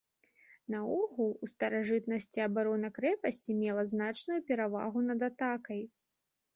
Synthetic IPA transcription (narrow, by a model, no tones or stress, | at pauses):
nɐɔɣulˠust̪ɐɾaʐɨt̪nɐsʲt͡sʲiɐbaɾɔnɐkɾɛpɐsʲt͡sʲimʲɛlˠɐznat͡ʂnujupʲɛɾava̰ɣunɐd̪at̪akɐj